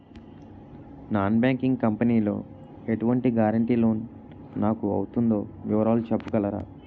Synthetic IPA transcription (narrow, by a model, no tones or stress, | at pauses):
naːnbaːŋkiŋɡkɐmpɐniːlo̞̰ː | e̞ʈuʋɐɳʈiɡaːɾɐɳʈiːlo̞ːnː | aːkuɐ̰wut̪und̪o̞ːʋiʋɐɾaːlut͡ʃepːukɐlɐɾa̰ː